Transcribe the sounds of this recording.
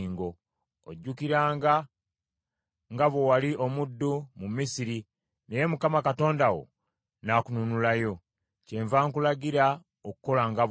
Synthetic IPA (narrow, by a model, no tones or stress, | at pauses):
ŋɡo̞ | o̰ɟːukiɾaːŋɡa | ŋɡaβo̞waliʔo̞mudːumumisiɾi | ne̞je̞mukamakato̞ːndawo̰ | nakununulajo̞ | ce̞ːɱvaːŋkulaɡiɾa | oku̥ko̞laŋɡaβ